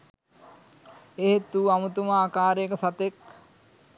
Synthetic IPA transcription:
eɦet̪uamut̪umaːkaːɾejkəsat̪ek̚

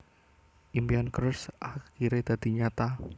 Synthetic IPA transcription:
ʔimbiankɾsʔakiɾed̪̥a̤d̪̥i̤ɲat̪a

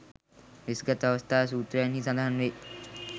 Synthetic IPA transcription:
ʋɪsɡət̪ɐʋəst̪ʰaːs̬uːt̪ɾəjənɦisɐ̃d̪ʱaːənʋeː

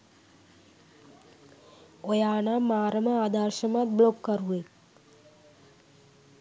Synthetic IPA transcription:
ojaːnamaːɾəməaːd̪aɾʃəmat̪̚blokːəɾuʋe

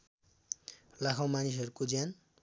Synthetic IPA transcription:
lakʰawmanis̬ʌɾukod͡zjan

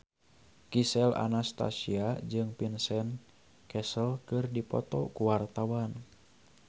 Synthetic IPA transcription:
kisɛla̰nast̪a̰siad͡ʒɨŋpinsɛn | kɛsəlkɨrdipɔ̰t̪ɔkuwart̪awan

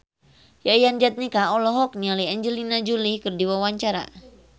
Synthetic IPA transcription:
jajand͡ʒat̪̚nikaɔlɔɦɔk̚nialiaɲd͡ʒəlinad͡ʒulikɨrdiwawaɲt͡ʃaɾa̰

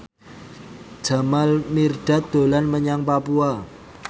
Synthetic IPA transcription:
d̥d͡ʒ̥a̤malmirɖ̥a̤t̪̚d̪̥o̤lanməɲaŋpapua

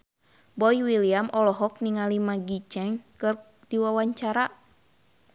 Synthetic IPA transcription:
bɔjwiliamʔɔlɔɦɔk̚niŋalimaɡit͡ʃɛŋkɨr | diwawaɲt͡ʃaɾa

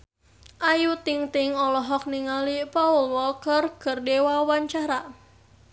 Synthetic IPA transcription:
ʔajut̪ɪŋt̪ɪŋɔlɔɦɔk̚niŋalipaulwɔlkərkərdewawaɲt͡ʃaɾa

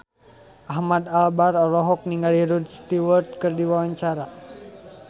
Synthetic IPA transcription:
ʔahmad̪albarɔlɔɦɔk̚niŋɡaliɾud̪st̪iwərt̪̚kɨrdiwawaɲt͡ʃaɾa

